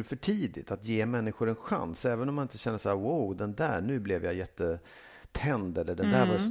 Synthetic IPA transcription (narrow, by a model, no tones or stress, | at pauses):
fœʈʰiːd̪ɪ̰t̪at̪jeːmɛnːɪɧʊɾɛnɧa̰nsɛːvənɔmːanɪnt̪əɕɛnd̪əʂaæːwaːd̪ɛnd̪æːɳʉ̟ːblɛvjajɛt̪ːə | t̪ʰɛnd̪ɛlːəɖɛnd̪æːɾva